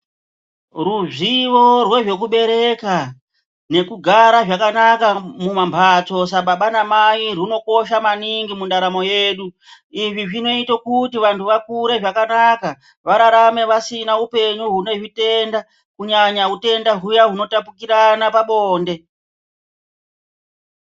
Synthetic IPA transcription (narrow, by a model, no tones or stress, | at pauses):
ruʐiʋo̞rwe̞ʐe̞k̬uɓe̞ɾe̞ka | ne̞kuɡʱaɾaʐakanakamumambʰʱat͡so̞s̬aɓaɓanamairuno̞ko̞ʃamaniŋɡimundaɾamo̞je̞ːɗu | iʐiʐino̞itokutiʋantʰuʋakuɾe̞ʐakanaka | ʋaɾaɾame̞ʋasinaupe̞ɲuɦune̞ʐite̞nda | kuɲaɲaɦute̞ndaɦujaɦuno̞tapukiɾanapaɓoːnde̞